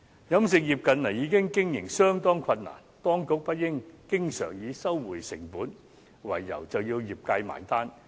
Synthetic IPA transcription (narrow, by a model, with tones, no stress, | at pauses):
jɐ˨˥msɪ˨k̚jiː˨˩p̚kɐ˨nlɐ˨˩jiː˨˧˥kɪ˥ŋkɪ˥ŋjɪ˨˩ŋsœː˥ŋt̪ɔː˥ŋkʰɐ˧nːa̰ː˨˩nt̪ɔː˥ŋkʊ˨˥k̚pɐ˥t̚jɪ˥ŋkɪ˥ŋsœ̰ː˨˩ŋjiː˨˧sɐ˥wːuː˨˩jsɪ̰˨˩ŋpuː˨˥n | wɐ̰˨˩jːɐ̰˨˩wt͡sɐ˨wjiː˧wjiː˨˩p̚ka˧jma̰ː˨˩jt̪aː˥n